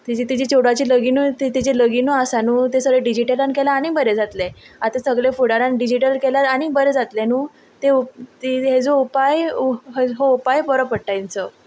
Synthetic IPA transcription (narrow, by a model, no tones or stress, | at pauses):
t̪id͡ʑit̪id͡ʑet͡ɕoɽʋat͡ɕiləɡinuːt̪it̪id͡ʑeləɡinuasanuːt̪esəɡɭeɖid͡ʑiʈəlankelaːñibəɾed͡zat̪leat̪esəɡɭefuɽaɾãnɖid͡ʑiʈəlkelaɾaɽ̃ibəɾed͡zat̪lenuː | t̪eut̪iɦed͡zoupajɦɦoupajbəɾopəɽʈaint͡sə